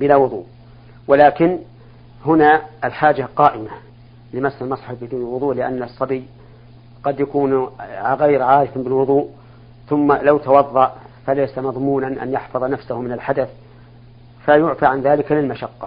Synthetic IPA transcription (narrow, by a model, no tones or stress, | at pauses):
bɪlaːwʊðˤuːʔ | wɪlaːkɪn | hʊnaɪlħaːd͡ʒaqɑːʔɪma | lɪmasːalmɑsˤħɑfbɪd̪uːnɪlwʊðˤuːʔlɪʔa̰nːɨsˤːɑbɪj | qɑd̪jakuːnɣajɾʕaːɾɪfbɪlwʊðˤuːʔ | θʊmːalawt̪ɑwɑðˤːɑʔ | falajsamɑðˤmuːnanʔa̰njɑħfɑðˤnafsʊhmɪnalħad̪aθ | fajʊʕfaʕanðaːlɪkalɪlmaʃɑqːɑ